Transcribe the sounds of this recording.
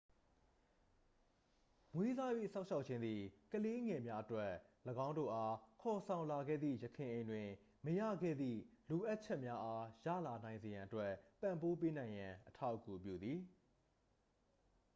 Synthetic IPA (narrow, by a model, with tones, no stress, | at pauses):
ŋwe˦za˦jwḛ˦˨sã˦ʊ̃ʃʰa˦ʊʔ̚t͡ɕʰɪ̃˦nd̪ði˨kəle˦ŋɛ˨mja˦ʔətwɛ˦˨ləɡã˦ʊ̃ndo̰˦˨ʔa˦kʰɔ˨sʰã˨ʊ̃la˨ɡɛ̰˦˨d̪ðḭ˦˨jəkʰɪ̃˨ʔẽ˨ɪ̃ndwɪ̃˨ | məjä̰˦˨ɡɛ̰˦˨d̪ðḭ˦˨lo˨ʔa˦t̚t͡ɕʰɛ˦ʔmja˦ʔa˦jä̰˦˨la˨nã˨ɪ̃nze˨jã˨ʔətwɛ˦t̪ã˨mpo˦p̬e˦nã˨ɪ̃jã˨ʔətʰa˦ʊkṵ˨pjṵ˦˨d̪ði˨